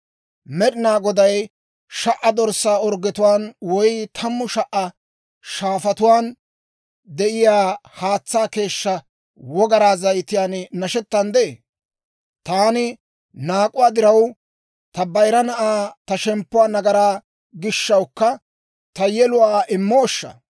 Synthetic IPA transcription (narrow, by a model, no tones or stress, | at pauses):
mɛɗɪnaːɡɔd̪ɐj | ʃɐʔɐd̪ɔɾsaːɔɾɡɛt̪ʊwaːnwɔjt̪ʰɐmːʊʃɐʔɐ | ʃaːfɐt̪ʊwaːn | d̪ɛʔɪjaːhaːt͡sːaːke̞ːʃːɐ | wɔɡɐɾaːzɐjt̪ɪjaːnnɐʃɛt̪ːɐnd̪ɛḛː | t̪aːnɪ | naːkʼʊwaːd̪ɪɾɐw | t̪ɐbɐjɾɐnɐʔaːt̪ɐʃɛmpːʊwaːnɐɡɐɾaː | ɡɪʃːɐwkːɐ | t̪ɐjɛlʊwaːʔɪmːoːʃːɐ̰